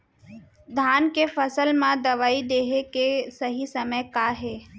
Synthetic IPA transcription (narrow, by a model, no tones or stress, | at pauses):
d̪ʱaːnkefɐsəlmãd̪ɐʋaːid̪eːɦekesɐɦisɐməjkaːɦeː